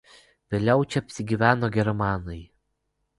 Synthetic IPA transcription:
ʋʲeːlʲɛʊt͡ʃʲɛɐpʲsʲɪɡʲiːʋʲæːnoːɡʲɛɾmɑːnɐɪ

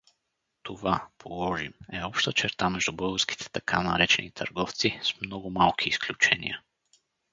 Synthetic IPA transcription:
t̪ovapʰolˠɔʒimɛɔpʃt̪ət͡ʃɛɾt̪amɛʒd̪ʊbɤlˠɡəɾskʲi̥t̪ʰɛ̥t̪ɐkʰanɐɾɛt͡ʃɛnit̪ʰə̰ɾɡɔft̪sismnɔɡʊmalˠkʰiːsklʲut͡ʃɛnḭjə̰

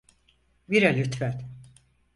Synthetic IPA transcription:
biɾɛlʲyt̪fæt̪

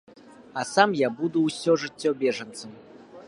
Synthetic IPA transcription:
ɐsamjabud̪uːsʲɔʐɨt͡sʲːɔbʲɛʐɐnt̪sɐm

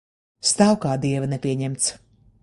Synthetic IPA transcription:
st̪awkaːd̪iɛvɐnɛpʲiɛɲɛmt̪s

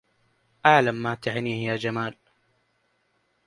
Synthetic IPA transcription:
ʔaʕlamːaːt̪aħniːhjaːd͡ʒamaːl

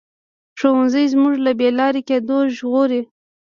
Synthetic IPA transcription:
ʂowanzəjzmuʒlabelɑɾeked̪oʒɣoɾi

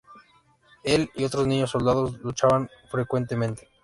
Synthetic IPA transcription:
e̞lio̞t̪ɾoznĩɲo̞sːo̞ld̪aðo̞zlut͡ʃaβanfɾe̞kwe̞nt̪e̞mẽ̞nt̪e̥

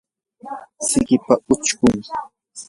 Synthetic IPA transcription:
sɪɢɪpaʊt͡ʃkʊŋ

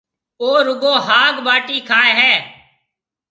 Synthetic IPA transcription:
oːɾʊɡoːɦaːɡɓaːʈiːkʰaːeːɦɛː

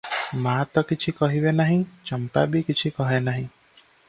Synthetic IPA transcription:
maːt̪ɔkit͡ʃʰikɔɦibenaɦĩt͡ʃɔmpa̰bikit͡ʃʰikɔɦenaɦĩ

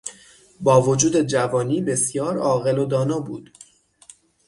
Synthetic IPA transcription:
bɒːvod͡ʒuːd̪e̞d͡ʒævɒːniːbe̞sjɒːɾɒːɣe̞lo̞d̪ɒːnɒːbuːd̪̥

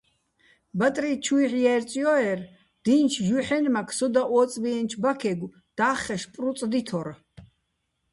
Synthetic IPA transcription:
bat̪ʼrit͡ʃʰujħjɛrt͡sʼjɔɛr | d̪̥int͡ʃʰʒuħɛnmakʰsɔd̪aʔɔːt͡sʼviɛnt͡ʃʰbakʰɛɡʷw | d̪̥aːχɛʃpʼrut͡s̪ʼd̪it̪ʰɔɾ

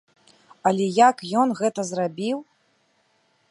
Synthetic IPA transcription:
ɐlʲɛjakjɔnɣɛt̪ɐzrabʲiw

